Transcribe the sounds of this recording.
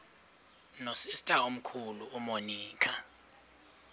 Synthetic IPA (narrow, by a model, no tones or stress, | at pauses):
nosistʼaom̩kʰuluːmoniːkʰa